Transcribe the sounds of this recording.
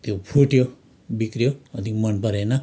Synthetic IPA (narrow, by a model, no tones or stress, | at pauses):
t̪jopʰuʈjo | bikɾjoʌt̪ikmʌnpʌɾenʌ